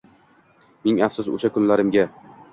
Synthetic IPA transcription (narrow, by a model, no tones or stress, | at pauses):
meŋafsʊzʊ̰ʃakʊnlaɾɪmɡʲa